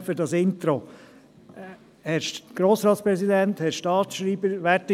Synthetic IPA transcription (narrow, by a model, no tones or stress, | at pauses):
fəɾdɑsɪnt̪ɾo | hɛʃɡ̥ɾoːsɾɑːt̪spɾɛsid̪ænt̪hɛʃtɑːt̪ʃɾiːbəɾʋætɪ